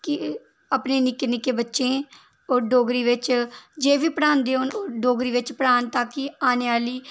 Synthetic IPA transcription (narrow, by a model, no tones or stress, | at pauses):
kɪ | əpneːnɪkeːnɪkeːbətːʃẽː | oːɖoːɡɾiːʋɪt͡ʃd͡ʒeːʋiːpəɽãːnd̪eːoːnoːɖoːɡɾiːʋɪt͡ʃpɽaːnt̪ãːkɪaːneːaːliː